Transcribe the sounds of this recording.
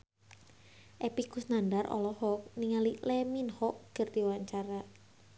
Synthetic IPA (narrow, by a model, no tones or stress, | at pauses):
ʔepikusnandarʔɔ̰lɔhɔk̚niŋalilɛminhɔʔɡ̥ərd̪iwaɲt͡ʃaɾa